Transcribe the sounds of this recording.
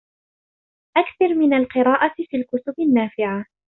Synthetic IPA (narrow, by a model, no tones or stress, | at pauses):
ʔakθɑɾmɪnalqɨɾɑːʔafiːlkʊt̪ʊbanːaːfɪʕa